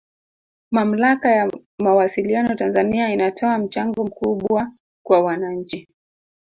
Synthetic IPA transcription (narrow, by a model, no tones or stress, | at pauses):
mam̩lakaja | mawasilianɔtanzaniainatʰɔam̩t͡ʃaŋɡɔm̩kuɓwa | kwawanaɲ̩t͡ʃi